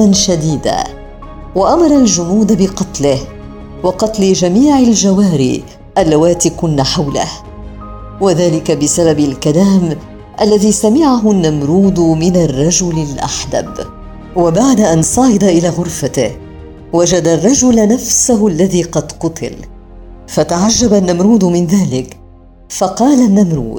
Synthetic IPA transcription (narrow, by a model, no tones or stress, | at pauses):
nʃad̪iːd̪a̰ː | waʔamɑɾˤɑld͡ʒʊnuːd̪abɪqɑt̪lɪh | wɑqɑt̪lɪd͡ʒamiːʕald͡ʒawaːɾḭː | ʔalːwaːt̪iːkʊnːaħawlɪ̰h | waðaːlɪkabɪsababalkalaːm | ʔalːaðiːsamɪʕaɦʊnːamɾuːd̪mɪnarˤːɑd͡ʒʊlɪlʔa̰ħd̪a̰b | wabaʕd̪aʔansˤɑːʕɪd̪aʔɪlaːɣʊɾfat̪ɪh | wad͡ʒad̪arˤːɑd͡ʒʊlnafsʊɦʊalːaðiːqɑd̪qʊt̪ʰɪ̰l | fat̪aʕaʒːabanːamɾuːd̪mɪnðaːlɪk | fɑqɑːlanːamɾṵːd̪̚